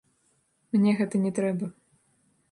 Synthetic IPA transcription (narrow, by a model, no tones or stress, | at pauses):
mnʲɛɣɛt̪ɐnʲɛt̪ɾɛbɐ